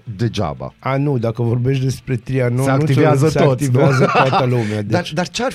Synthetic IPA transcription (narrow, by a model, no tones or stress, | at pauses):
d̪əd͡ʒa̰ba̰anud̪akəvoɾbeʃd̪espɾet̪ɾianosakːnut̪isvjazəsaot̪t̪ivjazət̪wat̪alumead̪aɾd̪aɾt͡ʃaɾ